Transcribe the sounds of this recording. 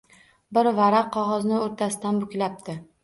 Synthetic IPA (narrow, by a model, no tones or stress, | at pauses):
bɪɾvaɾaqʰːɒʁɒznɪoɾt̪ʰasɪ̥d̪anbʊkʲlap̚t̪ʰɪ